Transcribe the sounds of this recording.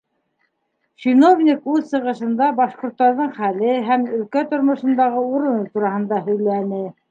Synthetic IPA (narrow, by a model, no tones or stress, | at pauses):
t͡ɕinovnʲikʉðsɤ̆ʁɤ̆ʃɤ̆nd̪ɑbɑʃqŏɾt̪ːɑɾðɤɴχælɘɦæmɵ̆lkæt̪ŏɾmŏʃɤ̆nd̪ɑʁɤuɾɤ̆not̪uɾɑhɤ̆nd̪ɑhɵ̆jlænɘ